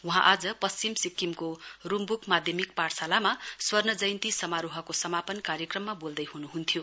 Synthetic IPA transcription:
uɦãʔad͡zʌpʌst͡simsikːimkorumbukmad̪ʱjʌmik̚paɽsalamaswʌrnʌd͡zʌjnt̪isʌmaɾuɦʌkosʌmapʌnkaɾjʌkrʌmːabold̪ʌjɦunuɦunt̪ʰjo

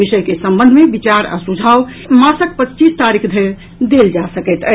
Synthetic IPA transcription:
isəjkesəmbə̃nd̪ʱmebit͡ʃaɾa̰sud͡ʒʱaw | masək̚pətːt͡ʃist̪aɾikʰd̪ʱəjɾ | d̪eld͡ʒasəkɛt̪ə

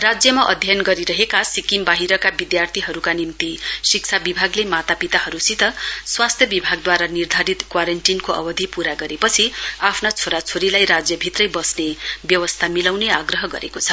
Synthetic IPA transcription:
rad͡zjʌmaʔʌd̪ʱjʌnɡʌɾiɾʌɦekasikimbaɦiɾʌkabid̪jart̪ʰiɦʌɾukanimt̪isik̚t͡sʰabibʱaɡlemat̪apit̪aɦʌɾusit̪ʌswast̪ʰjʌbibʱaɡd̪waɾanird̪ʱaɾit̪kwaɾʌɳʈinkoʔʌ̰bʌd̪ʱipuɾaɡʌɾepʌt͡sʰiapʰnat͡sʰoɾat͡sʰoɾilajrad͡zjʌbʱit̪rʌjbʌsnebjʌwʌst̪ʰamilawneaɡrʌɦʌɡʌ̰ɾḛkot͡sʰʌ

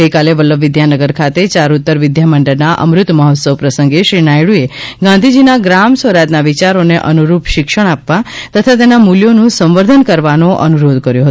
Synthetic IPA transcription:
əjkaleʋələʋʋɪd̪janəɡəɾkʰat̪et͡ʃaɾut̪ːəɾʋɪd̪ʱjaməɳɖəɾnaʔə̰mɾʊt̪məɦɔt̪səʋpɾəsə̃ŋɡeʃɾinajɽueɡãnd̪ʱid͡ʒinaɡɾamsəɾat̪naʋit͡ʃaɾoneʔənuɾupʃɪkʃəɽ̃apʋat̪ət̪ʰat̪̬enamuljonũsə̃mʋəɾd̪ʱənkəɾʋanoʔənuɾod̪ʱkəɾjoɦət̪

